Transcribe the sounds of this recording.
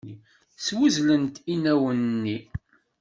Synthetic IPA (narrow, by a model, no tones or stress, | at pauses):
i | swuzlənt̪inæwənːi